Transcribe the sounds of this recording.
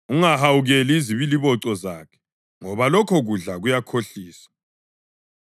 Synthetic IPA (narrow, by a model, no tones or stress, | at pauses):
uŋahawuɣeliiziβiliβɔǀɔza̰ːkʰɛ̥ | ŋɔβalɔkʰɔɣuɮaɣujakʰoɬiːsḁ